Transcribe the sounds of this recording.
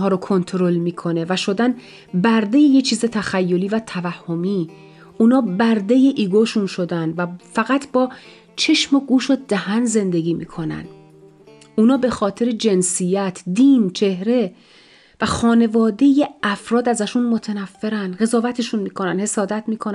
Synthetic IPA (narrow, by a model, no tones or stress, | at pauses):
ɦɒːɾokʰo̞nt̪ʰɾo̞lmiːkʰo̞ne̞væʃo̞d̪æn | bæɾd̪e̞jejet͡ʃʰiːze̞t̪ʰæxæjːo̞liːvæt̪ʰævæhːomiː | ʔunɒːbæɾd̪e̞jeʔiːɡoʃunʃo̞d̪ænvæfæɣæt̪ʰbɒː | t͡ʃʰe̞ʃmoɡuːʃod̪̥æhænze̞nd̪eɡiːmḭːkʰo̞næ̰nd̪ | unɒːbe̞xɒːt̪ʰe̞ɾe̞d͡ʒe̞nsijæt̪ʰd̪iːnt͡ʃʰe̞hɾe̞ | væxɒːne̞vɒːd̪e̞jeʔæfɾɒːd̪æzæʃunmo̞t̪ʰenæfːeɾænd̪ɣe̞zɒːvæt̪ʰe̞ʃunmiːkʰo̞nænhe̞sɒːd̪æt̪ʰmiːkʰon